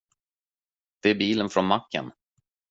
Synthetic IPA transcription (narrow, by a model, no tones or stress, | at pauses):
d̪̥ɛæɾbiːlənfɾɔnmakːə̰n